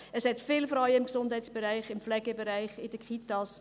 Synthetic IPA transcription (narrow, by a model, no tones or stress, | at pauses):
əshɛtfɪːlfrɔjɪmksʊndhɛɪtt͡ssb̥əɾæɪχɪmflɛɡəbəɾæɪχɪd̥əkχitɑs